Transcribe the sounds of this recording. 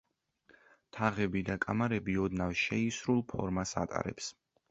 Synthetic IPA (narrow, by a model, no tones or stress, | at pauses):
t̪ʰaʁɛbid̪akʼamaɾɛbiɔd̪navʃɛisɾulˠpʰɔ̰ɾmasa̰t̪ʼa̰ɾɛ̰ps